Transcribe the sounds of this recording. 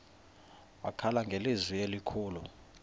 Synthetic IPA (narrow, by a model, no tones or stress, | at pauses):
wakʰalaŋɡʱelizwielikʰuːlu